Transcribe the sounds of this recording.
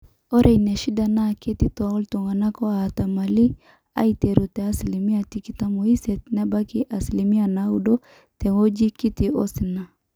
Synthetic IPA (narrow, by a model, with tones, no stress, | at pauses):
ɔ˦ɾʔe˨jnɛ˨ʃi˦da˨na˦˨ke˦ti˦tɔ˨ɔ˦lto˨ŋa˨na˦kɔ˦a˨ta˨ma˨li˦ | a̰˦i˦te˨ɾo˨tɛ˨a˦sli˨mi˦a˨ti˦ki˨ta˦mo˨i˦sɛ˨tna˦ba˦ki˦ʔa˨sli˨mi˦a˨na˨˦u˦do˦ | tɛ˨ŋo˦d͡ʒi˦ki˦ti˨ɔ̰˦sɪ˨na˨